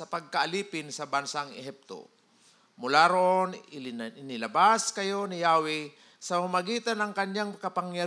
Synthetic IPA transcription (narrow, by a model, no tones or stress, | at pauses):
sɐpɐɡ̚kaʔaliːpɪnsɐbansaŋɛ̰ɦip̚t̪o̰ | mʊlaɾoʔonɪɪnɪlɐbaskɐjo̞nɪjaːwɪ | sɐmamaɡiːt̪anɐŋkɐɲɲaŋkɐpaŋja